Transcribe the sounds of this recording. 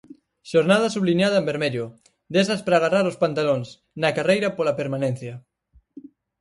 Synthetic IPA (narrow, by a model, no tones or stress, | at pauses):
ʃoɾnað̞asuβlinað̞ɐembeɾmeʎo | d̪esaspɾaːɣ̞araɾospant̪aloŋs | nakarejɾapolapeɾmanẽn̟θja